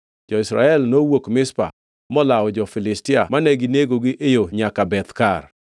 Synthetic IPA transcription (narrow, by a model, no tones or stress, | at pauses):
d͡ʒɔɪsɾa̰ɛlnowokmɪspa̰ | mɔlawɔd͡ʒɔfɪlɪstɪamanɛɡɪneɡoɡɪʔejoɲakabɛt̪kar